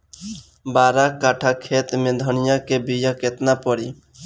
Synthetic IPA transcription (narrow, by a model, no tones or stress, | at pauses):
baːɾakaːʈʰakʰeːt̪mẽd̪ʱənɪjãkebijaket̪napɔɽiː